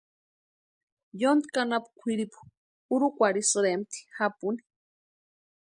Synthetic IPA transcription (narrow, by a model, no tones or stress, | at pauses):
jond̪kanapu̥kʷʰiɾipu̥ | uɾukʷaɾisɨɾemt̪ʰi̥xapuni̥